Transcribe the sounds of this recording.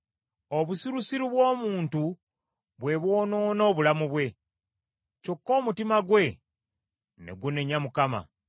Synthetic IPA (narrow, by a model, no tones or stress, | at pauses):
o̞βusiɾusiɾiβwo̞ːmuːntu | βwe̞βwo̞ːno̞ːnoːβulamuβwe̞ | co̞kːo̞ːmutimaɡwe̞ | ne̞̰ɡune̞ɲamukama̰